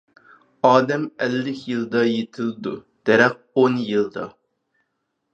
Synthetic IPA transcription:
ɑːd̪ɛmɛlːɪkʲʰjɨlˠd̪ɑjet̪ʰɪlˠɪd̪u | d̪̥ɛɾɛq̚onjɨlˠd̪ɑ

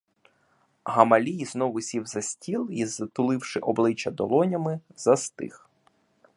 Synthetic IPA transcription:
ɦɐmɐlʲijiznɔʋʊsʲiwzɐsʲtʲilˠizɐt̪ʊlˠɪwʃɪʔɔblˠɪt͡ʃɐd̪ɔlˠɔnʲɐmɪzɐst̪ɪ̰x

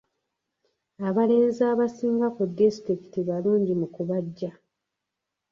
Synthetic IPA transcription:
aβale̞ːnzaːβasiːŋɡakudːistɾiki̥tiβaluːɲɟimukuβaɟːa

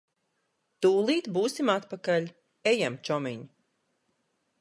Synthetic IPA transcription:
t̪uːlˠiːt̪buːsimat̪pakaʎʲ | ejamt͡ʃɔmiɲi

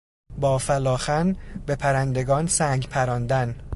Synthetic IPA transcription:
bɒːfælɒːxænbepʰæɾænd̪e̞ɡɒːnsæːŋɡpʰæɾɒːnd̪æn

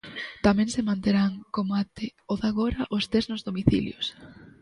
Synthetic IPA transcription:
t̪amɛ̃ŋsɪmãnt̪eɾaŋkomat̪ɪoðaɣoɾɐʔost̪eznʊzðomiθḭljos

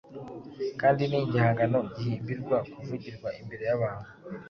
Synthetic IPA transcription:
kaːndiniɟihaːŋɡano̞ɟihiːmbiɾɡwakuvuɟiɾɡwaʔimbe̞ɾe̞jaβaːnhu

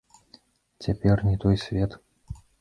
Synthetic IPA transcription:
t͡sʲapʲɛrnʲɛt̪ɔjsʲvʲɛt̪

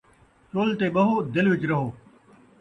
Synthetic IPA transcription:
t͡ʃoːlt̪eːɓɐɦoːd̪ɪlʋɪt͡ɕɾɐɦoː

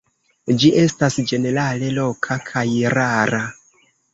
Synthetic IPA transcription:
d͡ʒiʔe̞stasd͡ʒe̞ne̞ɾale̞lo̞kʰakʰajɾaɾa

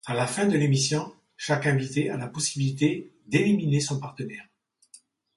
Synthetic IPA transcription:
ãlafɛ̃d̪əlemisjɔ̃ | ʃakɛ̃vit̪ealapɔsibilit̪e | d̪eliminesɔ̃paʁt̪ənɛːʁ

